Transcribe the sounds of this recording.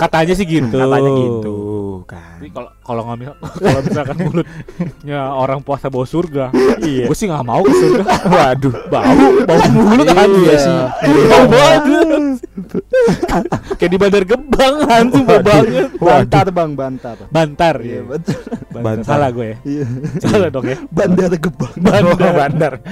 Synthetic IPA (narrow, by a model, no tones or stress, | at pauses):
kat̪aɲas̬ɪhɡit̪uaɡiukaikalokaloŋamisakalomisakanulʊt̪̚ɲaoɾaŋpuasabawasurɡaɡuasɪhŋamaukasurɡawadubaubawamulʊt̪aniasɪmaubadu | kajaʔdibandarɡəbaŋantuɡuabaŋət̪̚bad̪t̪abaŋbant̪abant̪arjbaabaasalaɡuajaijsaladɔkabandaɡəbaŋbaaanar